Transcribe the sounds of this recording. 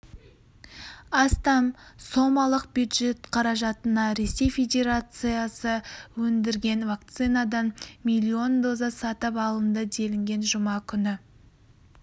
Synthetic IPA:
ɑst̪ɑmso̞mɑlˠəq̚bjud̪ʒe̞t̪qʰɑɾɑʒɑt̪ənɑɾe̞se̞jfʲe̞d̪ʲe̞ɾat̪sɨjasəwɵnd̪ɪɾɡʲe̞nvakt̪sɨnad̪ɑnmilʲːio̞nd̪o̞zɑsɑt̪əpɑlˠənd̪əd̪e̞lɪŋɡʲe̞nʒʊmɑkʲʰʏnɪ

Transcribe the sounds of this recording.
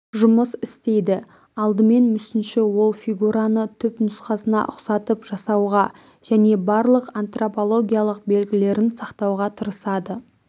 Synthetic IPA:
ʒʊməsɪst̪e̞jd̪ɪ | ɑlˠd̪əme̞nmʏsɪnʃɪwo̞lˠfʲiɡuɾanət̪ʰʏpnʊsqɑsənɑ̰ʔʊ̰qsɑt̪əpʒ̥ɑsɑwʁɑ | ʒ̥æne̞bɑɾlˠəqant̪ro̞po̞lˠo̞ɡʲijalˠəq̚be̞lɡʲɪle̞ɾɪnsɑqt̪ɑwʁɑt̪ʰəɾəsɑd̪ə

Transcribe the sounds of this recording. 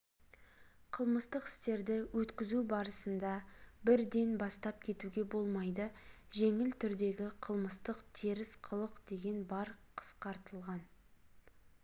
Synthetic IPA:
qʰəlˠməst̪əqɪ̥st̪e̞ɾd̪ɪwʔɵt̪kʲɪzubɑɾəsənd̪ɑbɪɾd̪e̞nbɑst̪ɑp̚kʲʰe̞t̪uɡʲe̞bo̞lˠmɑjd̪ə | ʒe̞ŋɪlt̪ʰʏɾd̪e̞ɡʲɪqʰəlˠməst̪əqt̪ʰiɾɪsqʰəlˠəqd̪̥e̞ɡʲe̞nbɑɾqʰə̥sqɑɾt̪əlˠʁɑn

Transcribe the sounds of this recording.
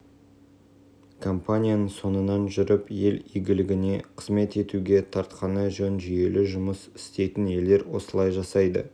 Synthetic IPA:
kʰo̞mpanʲijanəɴso̞nənɑnʒʏɾɪpje̞lijɡʲɪlɪɡʲɪne̞qʰə̥zme̞t̪e̞t̪uɡʲe̞t̪ʰɑɾt̪qʰɑnəʒɵnʒʏje̞lʔɪʒʊməsɪ̥st̪e̞jt̪ɪne̞ld̪e̞ɾwo̞̰səlˠɑjʒɑsɑjd̪ə̰

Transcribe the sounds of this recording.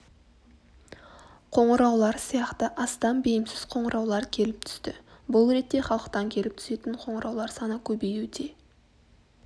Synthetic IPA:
qʰo̞ɴəɾɑwlˠɑɾsijɑqt̪əʔɑst̪ɑnbejɪmsɪz̥qʰo̞ɴəɾʔɑwlˠɑɾkʲʰe̞lɪp̚t̪ʰʏ̥st̪ɪbʊlˠɾe̞t̪ːe̞χɑlˠəqt̪ɑŋkʲʰe̞lɪpt̪ʰʏ̥se̞t̪ɪɴqʰo̞ɴəɾɑwlˠɑɾsɑnəkʲʰɵbejud̪e̞

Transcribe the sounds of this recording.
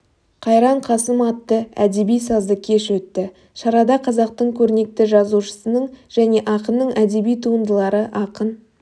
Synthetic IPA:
qʰɑjɾɑɴqʰɑsəmɑt̪ːəæd̪e̞bijsɑzd̪əkʲʰe̞ʃwɵt̪ːɪ | ʃɑɾɑd̪ɑqʰɑzɑq̚t̪əɴkʲʰɵɾne̞k̚t̪ɪʒɑzuʃə̥sənəɴʒ̥æne̞ʔɑqənːəɴæd̪e̞bijt̪ʰuənd̪əlˠɑɾəʔɑqən

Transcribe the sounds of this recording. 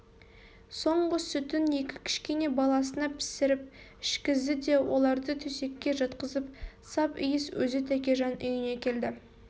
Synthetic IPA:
so̞ɴʁəsʏt̪ɪne̞kʲɪ̥kʲʰɪ̥ʃkʲe̞ne̞bɑlˠɑsənɑpʰɪ̥sɪɾɪp̚ | ɪʃkʲɪzd̪ɪd̪e̞wʔo̞lˠɑɾd̪ət̪ʰɵse̞kʲːe̞ʒɑt̪qəzəpsɑpɪ̰jɪswɵzɪt̪ʰækʲe̞ʒɑnʔʏjɪne̞kʲʰe̞ld̪ɪ

